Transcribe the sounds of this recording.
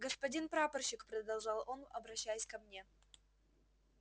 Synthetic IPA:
ɡəspɐdʲinpɾapərɕɪkpɾəd̪ɐlˠʐɑlˠonɐbɾɐɕːajsʲkɐmnʲe̞

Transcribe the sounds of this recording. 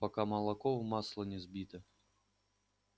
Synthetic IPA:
pakamɐlˠakɔwmaslˠɐnʲɛzʲbʲit̪ɐ

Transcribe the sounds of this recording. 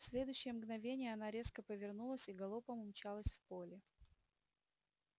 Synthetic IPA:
sʲlʲe̞d̪ʊjʏɕːɪjəmɡnɐvʲenʲɪjəɐnaɾʲe̞skəpəvʲɪrnulˠəsʲiɡɐlˠopəmʊmt͡ɕalˠəsʲfpolʲɪ

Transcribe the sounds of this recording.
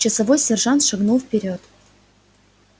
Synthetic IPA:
t͡ɕəsɐvojsʲerʐɑnt̪ʂɨɡnulˠfpʲɪɾʲot̪

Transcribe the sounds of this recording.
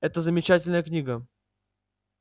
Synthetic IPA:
ɛt̪əzəmʲɪt͡ɕætʲɪlʲnəjəknʲiɡə

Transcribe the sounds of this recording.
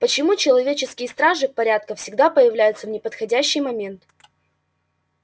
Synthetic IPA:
pət͡ɕɪmut͡ɕɪlˠɐvʲet͡ɕɪskʲɪjəst̪ɾaʐɨpɐɾʲat̪̚kəfsʲɪɡd̪apəjɪvlʲæjʊt̪səvnʲɪpət̪xɐdʲæɕːɪjmɐmʲe̞nt̪

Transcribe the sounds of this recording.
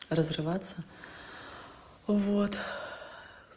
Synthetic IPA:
rəzrɨvat̪sːɐ | vot̪

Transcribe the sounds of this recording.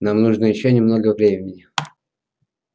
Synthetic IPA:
namnuʐnəjɪɕːonʲɪmnoɡəvɾʲemʲɪɪnʲɪ

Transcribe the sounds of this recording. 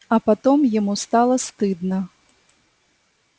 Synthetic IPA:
ɐpat̪ɔmjamust̪alˠɐst̪ɨd̪nɐ

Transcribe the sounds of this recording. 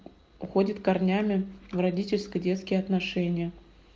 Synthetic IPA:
ʊxodʲɪt̪kɐrnʲamʲɪvrɐdʲitʲɪlʲskədʲet̪skʲɪjəɐt̪nɐʂɛnʲɪjə

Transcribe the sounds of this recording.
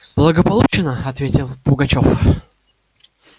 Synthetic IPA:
blˠəɡəpɐlˠut͡ɕɪnəɐt̪vʲetʲɪlˠpʊɡɐt͡ɕof

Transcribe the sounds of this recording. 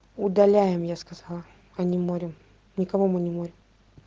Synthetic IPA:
ʊd̪ɐlʲæjɪmjaskɐzɑlˠə | ɐnʲɪmoɾʲɪm | nʲɪkɐvomɨnʲɪmoɾʲɪm

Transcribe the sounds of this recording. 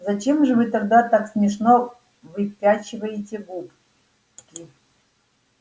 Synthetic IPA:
zɐt͡ɕemʐɨvɨt̪ɐɡ̚d̪at̪aksmʲɪʂno | vɨpʲat͡ɕɪvɐjɪtʲeɡup | kʲi

